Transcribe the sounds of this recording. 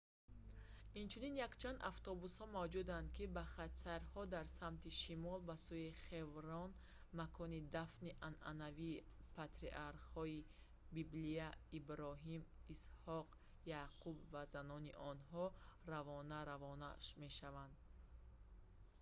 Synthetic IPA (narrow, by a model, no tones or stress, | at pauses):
int͡ʃʰuninjakt͡ʃʰand̪aft̪ɔbushɔmavd͡ʒud̪and̪̚kibaχat̪saɾhɔd̪aɾsamt̪iʃimɔlbasuiχe̞vɾɔn | makʰɔnid̪afniʔana̰naviː | pʰat̪ɾḭʔaɾqhɔi | bibliaibɾɔɦimishɔq | jaqʰubvazanɔniʔɔnɦɔravɔnaɾavɔnaʃme̞ʃavand̪̚